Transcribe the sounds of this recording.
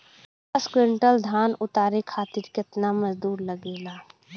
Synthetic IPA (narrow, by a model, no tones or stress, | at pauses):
askɾɪɳʈəld̪ʱaːnʊt̪aːɾekʰaːt̪iɾket̪naməzd̪uːɾləɡeːlaː